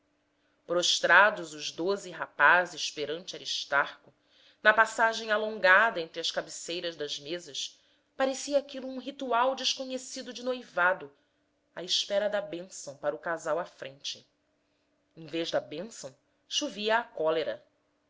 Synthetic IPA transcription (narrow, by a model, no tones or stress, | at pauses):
pɾoʃt̪ɾad̪ʊzʊʒd̪ozɪɦapazɪʃpeɾɐ̃nt͡ʃɪaɾiʃt̪aɾkʊ | nɐpasaʒẽj̃alõŋɡad̪ɐẽnt̪ɾɪɐskabesejɾɐʒd̪ɐzmezɐʃ | paɾesiɐːkilʊũɦit̪uawd͡ʒɪʃkoɲesid̪ʊd͡ʒɪnojvad̪ʊ | aiʃpɛɾɐd̪ɐbẽsɐ̃w̃paɾɐʊkazawɐfɾẽnt͡ʃɪ | ẽveʒd̪ɐbẽsɐ̃w̃ | ʃuviɐːkɔleɾɐ